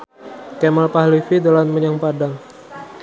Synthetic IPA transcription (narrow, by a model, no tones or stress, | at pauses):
kɛməlpahlifidalanməɲaŋpadaŋ